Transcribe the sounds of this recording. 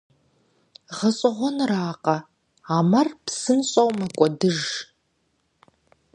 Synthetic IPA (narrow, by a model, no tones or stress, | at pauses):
ʁɐɕʼɐʁʷɔnraːqʼɐ | aːmɐrpsɨnɕʼɐwmɐkʷʼɔdɨʒ